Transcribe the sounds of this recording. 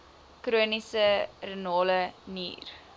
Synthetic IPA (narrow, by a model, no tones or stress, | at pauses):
kruənisərənoːlənḭːr